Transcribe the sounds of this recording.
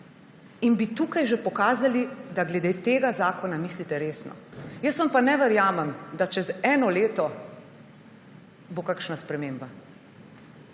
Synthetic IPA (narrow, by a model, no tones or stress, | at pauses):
inbit̪uːkajʒepɔkaːzalid̪aɡlɛd̪et̪eːɡazaːkɔnamislit̪ɛɾeːsnɔ̰jəsʋanpanɛʋɛɾjaːmɛmd̪at͡ʃɛzɛːnɔleːt̪ɔ | bokakʃnaspɾɛmeːmba